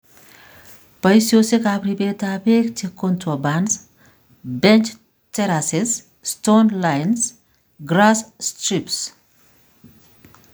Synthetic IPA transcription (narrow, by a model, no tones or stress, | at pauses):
pɐjsjosekapɾibeːt̪apeːkt̪ʰekːɔnt̪ɔbans | bɛnt͡ʃ | t̪ɛɾases | st̪onlajns | ɡɾasst̪ɾips